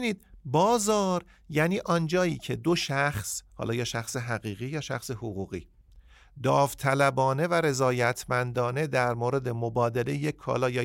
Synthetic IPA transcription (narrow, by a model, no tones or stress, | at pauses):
niːd̪̚bɒːzɒːɾ | jæːniːʔɒnd͡ʒɒːjiːcʰe̞d̪o̞ʃæxshɒ̰ːlɒːjɒːʃæxseɦæɣiːɣiːjɒːʃæ̰xse̞hoɣuːɣḭː | d̪ɒːft̪ʰælæbɒːne̞væɾe̞zɒːjæt̪ʰmænd̪ɒːne̞d̪æɾmoːɾe̞d̪e̞mobɒːd̪ele̞jjecʰːɒ̰ːlɒːjɒː